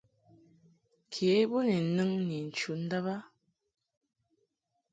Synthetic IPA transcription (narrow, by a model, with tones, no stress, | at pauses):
kʰe˨˦bu˦ni˨nɨ˦ŋni˨n̩˨t͡ʃu˨n̩˦də˦βa˦